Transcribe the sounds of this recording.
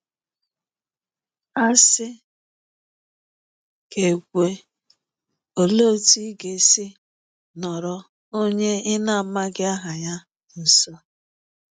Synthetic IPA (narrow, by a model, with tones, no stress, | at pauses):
a˦sɪ˦ | ke˨ɡʷe˨ | o˨lo˦˨ti˦ɡe˨sɪ˦ | nɔ˨ɾɔ˦ | o˦ɲe˦ɪ˦na˦a˨ma˦ɡɪ˦a˦ɦa˨ɲa˦ | n̩˨sɔ˦